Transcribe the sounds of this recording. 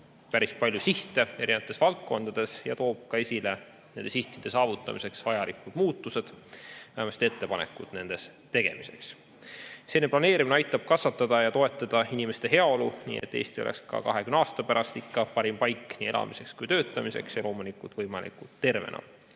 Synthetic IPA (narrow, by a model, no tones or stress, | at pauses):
pæɾispɑlʲjusiht̪ˑe̞e̞ɾinɑt̪ːˑesvɑlt̪̚ko̞nd̪̥ɑd̪̥e̞sjɑ̰t̪o̞ːb̥̚kɑe̞sʲile̞ | nend̪e̞siht̪id̪̥e̞sɑːvut̪ˑːɑ̰mise̞ksvɑjɑlikud̪̥muːt̪ːˑuse̞d̪̥mæhemɑst̪e̞t̪ːe̞pɑne̞̰kːˑud̪̥ne̞nd̪̥e̞s | t̪e̞ɡ̥e̞̰mise̞̰ks | se̞ːneplɑne̞ːɾiminɑjt̪ːˑɑb̥̚kɑsvɑt̪ːˑɑd̪̥ɑjɑt̪o̞e̞t̪ːˑɑd̪̥ɑinime̞st̪e̞ɦe̞ɑo̞lunḭːḛt̪ˑːḛːst̪io̞̰lḛkskɑ̰kɑ̰ɦe̞kymnɑːst̪ɑpæɾʔɑst̪ikːɑpɑɾimpɑjkːniːelɑ̰mise̞kskujt̪ø̞ːt̪ːˑɑmise̞̰ksjɑlo̞ːmunikːˑut̪vɤjmɑlḭkːˑut̪ːe̞rvḛnɑ̰